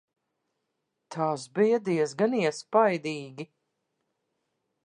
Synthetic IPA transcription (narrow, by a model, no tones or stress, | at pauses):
t̪ʰaːsbijad̪iɛs̬ɡaniɛspajd̪iːɡʲi